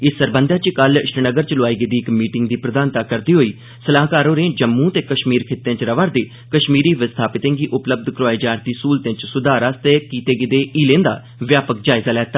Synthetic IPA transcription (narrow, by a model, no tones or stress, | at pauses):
ɪsːəɾbənd̪aːt͡ʃkəlɪʃɾənəɡəɾt͡ʃəlʊaːiːɡɪd̪iːɪkmiːʈɪŋɡd̪iːpɾəd̪aːnt̪aːkəɾd̪iːɦoːiː | səlaːkaːɾõːɾẽːd͡ʒəmːũːt̪eːkəʃmiːɾkʰɪt̪ːẽːt͡ʃɾəʋaːɾd̪eː | kəʃmiːɾiːʋɪst̪ʰaːpɪt̪ẽːŋɡiːʔʊpləb̚d̪kɾʊaːiːd͡ʒaːɾd̪iːsuːlt̪ẽːt͡ʃsʊd̪aːɾast̪eːkiːt̪eːɡɪd̪eːiːlẽːnd̪a̰ː | ʋjaːpəkd͡ʒaːɪzaːlɛːt̪ːaː